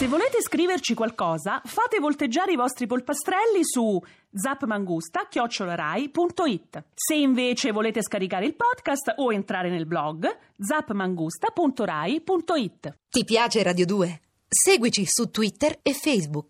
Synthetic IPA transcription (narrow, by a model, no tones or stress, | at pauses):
sevːoleːt̪eskɾiːvert͡ʃikwalkɔːzafaːt̪evolt̪ed͡ʒːaːɾeivɔst̪ɾipolpast̪ɾɛlːisu | d̪zapːmaŋɡust̪akjɔt͡ʃːolaɾaːjpunt̪oit̪ːseiɱveːt͡ʃevoleːt̪eskaɾikaːɾeilpɔd̪kast̪oent̪ɾaːɾenelblɔɡ | d̪zapːmaŋɡust̪apunt̪oɾajpunt̪oit̪ːt̪ipjaːt͡ʃeɾad̪jod̪uːe | seːɡwit͡ʃisut̪ːwit̪ːerefɛjzbuk